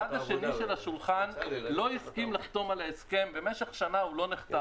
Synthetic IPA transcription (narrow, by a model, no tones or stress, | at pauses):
adhaʃe̞niʃelaʃulχanlo̞iskimlaχt̪o̞malaeske̞mbe̞meʃe̞χʃanaulo̞niχt̪a